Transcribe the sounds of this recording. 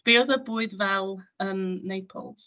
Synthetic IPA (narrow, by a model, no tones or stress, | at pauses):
b̥iɔðəbuːɨdvɛlˠənːejpʰɔ̰lˠs